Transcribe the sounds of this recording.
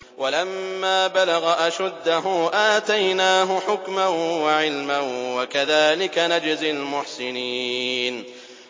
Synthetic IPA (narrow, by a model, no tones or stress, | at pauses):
walamːaːbalaɣaʔaʃad̪ːaɦuːʔaːt̪ajnaːɦʊħʊkmanwaʕɪlmanwakaðaːlɪkanad͡ʒzɪlmʊħsɪniːn